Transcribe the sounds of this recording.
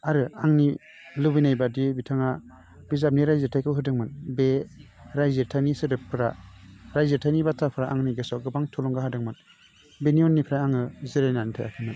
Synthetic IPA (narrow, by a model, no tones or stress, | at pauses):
aɾɯaŋni | lɯbijnajbadibitʰaŋa | b̥izap̚niɾajzetʰajkʰɯbɦɯdɯŋmɯnbe | ɾajzetʰanisɯdɯpʰɯɾaɾajzetʰajnibatʰapʰɯɾaʔaŋniɡesɔɡɯbaŋtʰulɔŋɡaɦadɯŋmɯn | beniɔnːipʰɾajaŋɯziɾajnanitʰaja̰kʰamɯn